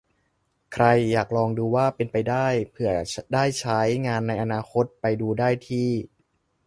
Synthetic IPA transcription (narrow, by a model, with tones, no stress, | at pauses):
kʰɾa˧jːaː˨˩k̚ɾɔː˧ŋduː˧waː˥˩pe˧npa˧jdaː˥˩jpʰɯ˧˩ɐdaː˥˩jt͡ɕʰa˦˥jŋaː˧nːa˧jʔa˧naː˧kʰo˦˥t̪̚pa˧jduː˧daː˥˩jt̪ʰiː˥˩